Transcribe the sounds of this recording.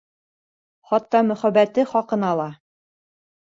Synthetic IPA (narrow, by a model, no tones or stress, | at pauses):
χɑt̪ːɑmɵ̆χæbæt̪ɘχɑqɤ̆nɑlˠɑ